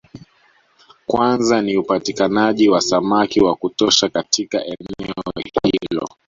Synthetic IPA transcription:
kwanzaniupatikanaʄiwasamakiwakutɔʃakatʰika̰ʔɛnɛɔhilɔ̰

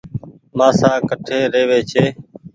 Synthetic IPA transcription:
maːsaːkəʈʰeːɾeːʋeːt͡ʃʰeː

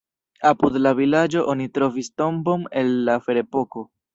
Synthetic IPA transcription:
apudlavilad͡ʒo̞ʔo̞nitɾo̞visto̞mbo̞ne̞lːafe̞ɾe̞po̞ko̞

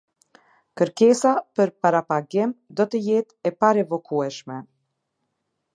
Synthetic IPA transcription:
kəɾkɛsapəɾpaɾapaɡimd̪ɔt̪əjɛt̪ɛpaɾɛvɔkʰuɛʃmɛ

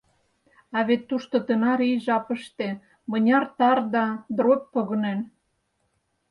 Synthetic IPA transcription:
ɑβet̪ːuʃt̪ot̪ənɑɾiʒɑpə̆ʃt̪e | mɤ̆nʲɑrt̪ɑrd̪ɑd̪roppoɣɤ̆nen

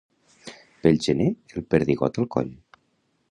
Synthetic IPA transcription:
pelʒəneelˠpəɾðiɣɔ̰t̪əlˠkɔ̰ʎ

